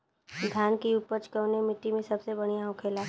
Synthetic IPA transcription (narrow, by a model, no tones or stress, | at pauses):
d̪ʱjaːnkiʊpət͡ʃkəʋnemɪʈːimẽsɐbsebɐɽ̃ijaɦʊ̃kʰeːlaː